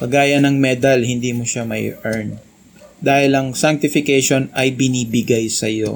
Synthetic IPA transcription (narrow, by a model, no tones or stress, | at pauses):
kɐɡaːjɐnɐŋmɛːd̪ɐlhɪnd̪iːmoʃamɐ̰jʔɛɹn | d̪aːhɪlɐŋsaŋk̚t̪ɪfɪkɛjʃo̞nɐjbɪniːbɪɡajsɐjo̰